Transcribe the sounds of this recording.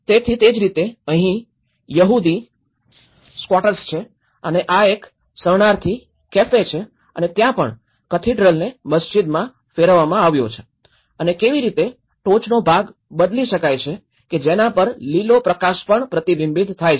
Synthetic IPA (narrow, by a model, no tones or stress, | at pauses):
t̪et̪ʰit̪ed͡ʒɾit̪eəɦĩ | jəɦud̪i | skwaʈəɾst͡ʃʰe | əneʔaek | səɳaɾt̪ʰi | kefet͡ʃʰe | ə̰net̪jãpə̰ɳ | kət̪ʰiɖɾəlneməsd͡ʒid̪mã | feɾəʋamãaʋjo̰t͡ʃʰe | ənekeʋiɾit̪e | ʈot͡ʃnobʱaɡ | bəd̪liʃəkajt͡ʃʰe | ked͡ʒenãpəɾlilopɾəkaʃpəɳpɾət̪ibɪmbid̪t̪ʰajt͡ʃʰe